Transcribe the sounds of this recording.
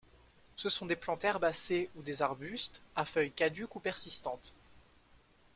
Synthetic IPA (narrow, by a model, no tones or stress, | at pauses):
səsɔ̃d̪eplɑ̃t̪ɛʁbaseud̪ezaʁbyst̪afœjkad̪ykupɛʁsist̪ɑ̃t̪